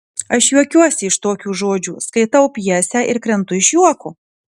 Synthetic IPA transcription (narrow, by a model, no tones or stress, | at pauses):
ɐʃjuɔkʲuɔsʲɪɪʃt̪oːkʲuːʒoːd͡ʒʲuːskɐɪt̪ɐʊpʲjɛsʲæːʔɪɾkɾʲɛnt̪ʊɪʃjuɔku